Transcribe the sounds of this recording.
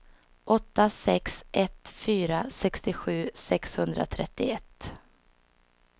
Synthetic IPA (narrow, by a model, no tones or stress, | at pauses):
ʔɔt̪ːasɛksʔɛt̪fyːɾasɛkst̪ɪɧʉ̟ːsɛkshɵnd̪ɾa̰t̪ʰɾɛt̪ːɪɛt̪ː